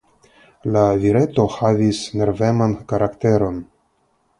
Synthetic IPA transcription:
laviɾe̞t̪o̞havisne̞ɾve̞mankaɾakte̞ɾo̞n

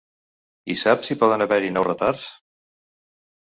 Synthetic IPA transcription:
isapsipɔðənəβɛɾinɔwrət̪aɾs

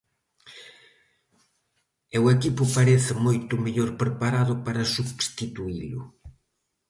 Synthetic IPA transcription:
ewekipʊpaɾeθɪmojt̪ʊmeʎoɾpɾepaɾaðʊpaɾɐsuβst̪it̪uilʊ̰

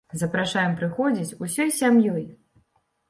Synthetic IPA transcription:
zɐpɾaʂajɛmpɾɨxɔd͡zʲit͡sʲusʲɔjsʲamjɔj

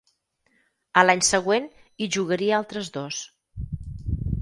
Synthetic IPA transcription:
əlaɲsəɣweniʒuɣəɾiəalˠt̪ɾəzd̪os

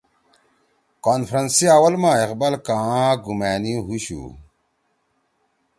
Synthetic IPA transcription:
kaːnfʰɾɐnsiawɐlmãːeqbɐlkãːɡumæːniɦuɕṵ

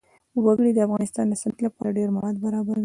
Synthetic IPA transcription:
waɡɽid̪əafɣɑnɪst̪ɑnd̪əsant̪lapɑ̰ɾaɖeɾmawɑd̪̚baɾɑbaɾwi

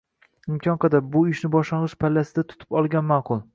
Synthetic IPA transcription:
ɪmkʲʰɒnqʰɑd̪ap̚bʊɪʃnɪbɒʃlɑnʁɨʃpʰalːasɪd̪at̪ʰʊ̥t̪ʰɪ̥pɒlˠɡʲanmɑːqʰʊlˠ

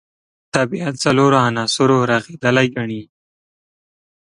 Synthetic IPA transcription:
t̪abiat̪saloɾoanɑsʊɾoɾaɣed̪əlajɡaɳi

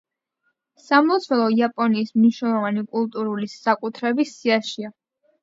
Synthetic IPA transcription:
samlˠɔt̪sʰvɛlˠɔiapʼɔniːsmniʃnɛlˠɔvanikʼulˠt̪ʼuɾulisakʼut̪ʰɾɛbisiaʃia

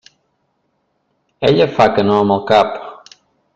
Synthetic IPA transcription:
eʎɐfakənõmokapʊ̥

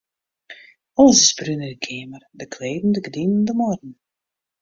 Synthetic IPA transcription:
ɔləsɪsbrynədəkʰeəmərdəkʰleːdn̩dəɡədinən̩dəmɔrdn̩

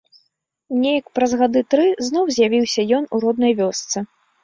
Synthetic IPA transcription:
mnʲejɐkpɾɐzɣad̪ɨt̪ɾɨznɔwzʲjavʲiwsʲɐjɔnuɾɔd̪nɐjvʲɔst̪sɨ

